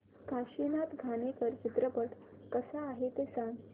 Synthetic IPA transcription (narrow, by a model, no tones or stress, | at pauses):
kaɕinat̪ɡʱanekəɾt͡ɕit̪ɾəpəʈ | kəsaːɦet̪esaŋɡ